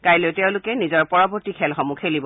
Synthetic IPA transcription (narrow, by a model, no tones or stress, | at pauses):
kajleʊtɛʊ̃lʊkɛnizɔɹpɔɹɔbɔɹtikʰɛlxɔmukʰelibɔ